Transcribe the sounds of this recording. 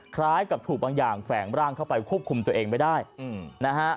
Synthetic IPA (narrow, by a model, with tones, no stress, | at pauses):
kʰɾaː˦˥jka˨˩p̚t̪ʰuː˨˩k̚baː˧ŋjaː˨˩ŋfɛː˩˦ŋɾaː˥˩ŋkʰa˥˩wpa˧jkʰu˥˩p̚kʰu˧mt̪u˧ɐʔeː˧ŋma˥˩jdaː˥˩jɯ˨˩na˦˥kʰa˦˥